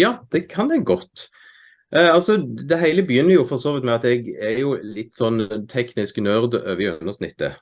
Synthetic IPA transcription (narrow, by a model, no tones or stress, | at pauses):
jɑːd̪̥ɛkʰɑnd̪ɛɡɔt̪ː | ʔɑlsɔd̪ɛɦæɪləbəjʏnːəɾjʊfɔʁsoːʋɪt̪mɛɑt̪ɛɡɛɾjʊlɪt̪ːsɔnːt̪ʰɛknɪsknœɾd̪ø̰ːʋəʉ̰nːəʂnɪ̰t̪ːə̰